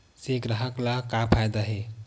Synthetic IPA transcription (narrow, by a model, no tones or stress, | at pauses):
sekɾəɦəklakapʰajd̪aɦe